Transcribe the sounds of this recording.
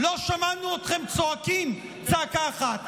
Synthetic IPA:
loʃamanuot̪χemt͡soakim | t͡sakaːχat̪

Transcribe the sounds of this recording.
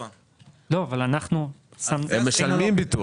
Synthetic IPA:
lo̞avalanaχnusamnemːeʃalmimbit̪u

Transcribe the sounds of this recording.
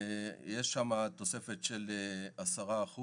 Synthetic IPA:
jeʃːamat̪o̞se̞fet̪ʃeleasaʁaːχu

